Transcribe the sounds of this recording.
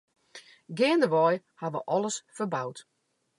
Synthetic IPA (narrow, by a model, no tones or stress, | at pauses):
ɡɪəndəʋɔj | haʋə̰ʔɔlˠəsfərbawt